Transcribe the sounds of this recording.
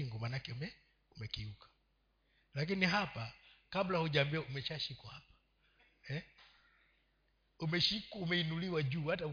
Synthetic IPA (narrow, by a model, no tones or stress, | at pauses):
iŋɡumaːnakɛmɛ | umɛkiukḁ | lak̬iniɦapakablahuʄaːmbiaumɛt͡ʃaʃikwahapḁ | ɛ | umɛʃikumɛinuliwaʄuːhata